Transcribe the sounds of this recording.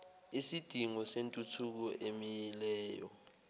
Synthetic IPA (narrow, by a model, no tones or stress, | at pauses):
isid̥ʱiŋɔsentʼutʰuk̬ɔʔemijɛlɛːjɔ̰